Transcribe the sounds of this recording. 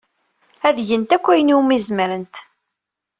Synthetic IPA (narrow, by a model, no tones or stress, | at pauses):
æðʝənt̪ækʷːæjəniumizməɾənt̪